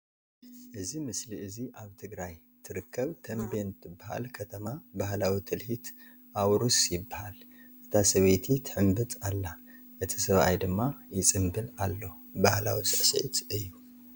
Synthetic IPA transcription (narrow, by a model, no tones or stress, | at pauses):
ʔɨzimɨsliɨziʔaβt̪ʰɨɡɾaj | t̪ʰɨɾɨkʰːɐβt̪ʰɐmbent̪ʰɨbːaha̰lkʰɐt̪ʰɐmabahlawit̪ʰɨlhit̪ | ʔawɾusjɪbːahalʔɨt̪ʰasɐβet̪ʰit̪ʰɨħɨmbɨt͡sʼalːa | ʔɨt̪ʰisɐβʔa̰jd̪ɨmːajɪt͡sʼɨmbɨlalːo̞ | bahla̰wisɨʕsɐ̰ʕit̪ɨjːu